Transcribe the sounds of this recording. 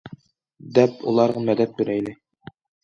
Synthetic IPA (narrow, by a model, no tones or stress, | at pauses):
d̪æpṵlˠɑɾʁɤmæd̪æp̪̚k̪ʉ̆ɾæilɘ